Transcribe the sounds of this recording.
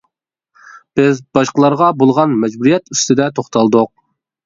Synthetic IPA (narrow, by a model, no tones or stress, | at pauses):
b̥ɪzbɑʃqəlˠɑɾʁɑbolˠʁɑnmɛd͡ʒbuɾijɛt̪yst̪ɪd̪ɛt̪ʰoχt̪ɑlˠd̪ʊq̚